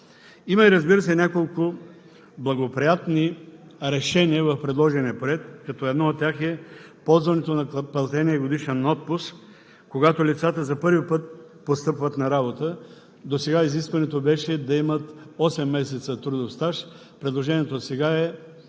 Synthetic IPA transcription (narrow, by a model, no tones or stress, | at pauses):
imɐiɾɐzbiɾəsɛnʲakolˠkʊ | blˠɐɡopɾijat̪niɾɛʃɛniəvɐfpɾɛd̪lˠɔʒɛnʲiɛpoɾɛt̪̚kɐt̪ɔɛd̪nɔot̪ʲːjaxɛpɔlˠzvɐnɛt̪onɐpɐlˠt̪ɛniɛɡod̪iʃɛnɔt̪̚pʊsk | koɡat̪olit̪sat̪əzɐpɤɾvipɤt̪̚ | post̪ɤpvət̪nɐɾabot̪ə | d̪osɛɡaiziskvɐnɛt̪obɛʃɛd̪ɐimət̪ɔsɛmːɛsɛt̪sət̪ɾud̪ofst̪aʃ | pɾɛd̪lˠoʒɛnʲiɛt̪osɛɡaɛ